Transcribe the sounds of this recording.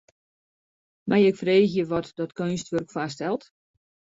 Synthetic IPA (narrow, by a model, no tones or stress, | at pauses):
mʔajɛkfreːxjəʋɔtdɔtkøːnstʋørkfastɛlˠt